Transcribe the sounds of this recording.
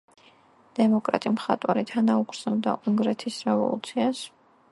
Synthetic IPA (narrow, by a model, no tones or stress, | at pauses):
d̪̥ɛmɔkʼɾa̰t̪ʼimχat̪ʼwaɾit̪ʰanaukʰʼɾz̥nɛbd̪a̰ʔuŋɡɾɛt̪ʰisɾɛvɔ̰lˠṵt̪sʰias